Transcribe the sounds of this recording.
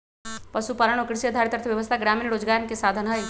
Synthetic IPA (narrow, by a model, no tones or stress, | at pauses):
pɐʃupaːləɳ̃okɾɪsiəd̪ʱaɾt̪əɾt̪ʰʋjɐʋəst̪ʰaɡɾaːmiːnɾoːd͡ʒɡaːjnkesaːd̪ʱənɦəj